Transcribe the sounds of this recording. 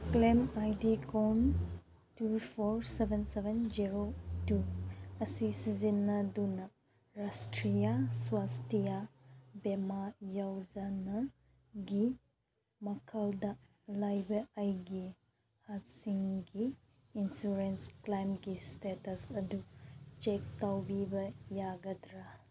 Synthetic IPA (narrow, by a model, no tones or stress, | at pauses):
klemajdikon | tupʰoɾsebʱensebend͡ʒiɾotuɐsisizinːɐdunɐ | ɾastɾijaswastijabemajawd͡ʒanɐ | ɡi | mɐkʰɐldɐ | lajbɐajɡi | hat̚siŋɡiː | nsuɾensklajmɡistetɐsɐdut͡ʃek̚tawbibɐjaɡɐdɾa